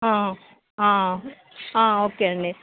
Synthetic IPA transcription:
ã | ã | ãːoːkeɐɳɖe

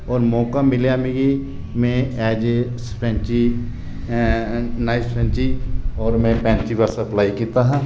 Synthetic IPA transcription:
ɔːɾmɔːkamɪljamĩɡi | mɛ̃ɛːd͡ʒspɾɛ̃ːnt͡ʃi | naːɪspʰɛ̃ːnt͡ʃiɔːɾmɛ̃pɛ̃ːnt͡ʃiʋasɐplaːikiːt̪aɦɛ̃ː

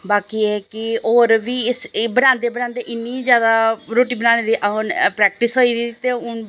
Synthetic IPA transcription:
baːkiːeːkɪoːɾʋiːɪsbənãːnd̪eːbənãːnd̪eːʔɪnːiːzjaːd̪aːɾoːʈiːbənãːneːd̪iːʔənpɾɛːk̚ʈɪsɦoːiːd̪iit̪eːʊn

